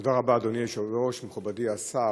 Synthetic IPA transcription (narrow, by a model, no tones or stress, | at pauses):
odaʁabaːd̪onieʃoveʁoʃmeχubadiasa